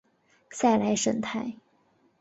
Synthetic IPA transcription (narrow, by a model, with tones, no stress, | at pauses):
sa˥˩ɪla˧˥ɪʂə˧˥ŋt̪ʰa˥˩ɪ